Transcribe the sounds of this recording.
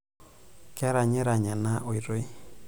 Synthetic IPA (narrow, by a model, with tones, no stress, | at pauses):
kɛ˦ɾa˨ɲɛ˦ɾa˨ɲa˨na˦ʔo˨i˨ɾo˦i˦